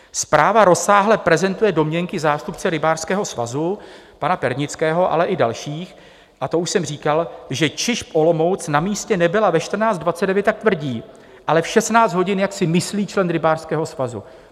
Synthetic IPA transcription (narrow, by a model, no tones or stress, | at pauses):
spɾaːvaɾo̞saːɦlɛpɾɛzɛnt̪ujɛdo̞mɲɛŋkɪzaːst̪upt͡sɛɾɪbaːrskɛːɦo̞sva̰zu | panapɛɾɲɪt͡skɛːɦo̞ʔa̰lɛʔɪda̰lʃiːx | ʔat̪o̞uʃsɛmr̝iːkalʒɛt͡ʃɪʃpʔo̞lo̞mo̞wt͡snamiːscɛnɛbɪlavɛʃt̪r̩naːt͡st̪d̪vat͡sɛdɛvjɛt̪ːak̚t̪vr̩ɟiː | ʔalɛfʃɛsnaːt͡sd̪ɦo̞ɟɪnjaksɪmɪsliːt͡ʃlɛnɾɪbaːrskɛːɦo̞svazṵ